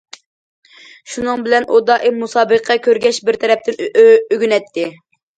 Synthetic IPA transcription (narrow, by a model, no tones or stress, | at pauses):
ʃunɨŋbɪlɛnʔod̪ɑʔimusɑːbɨqʰːɑkʲøɾɡʲɛʃbɪɾt̪ʰɛɾɛp̚t̪ɪnøɡʲynɛt̪ʰːɪ